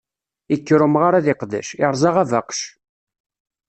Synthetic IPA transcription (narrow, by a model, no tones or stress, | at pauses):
ikːɾʊmʁaɾaðiqðæ̰ʃɪɾˤzˤɑʁævaqʃ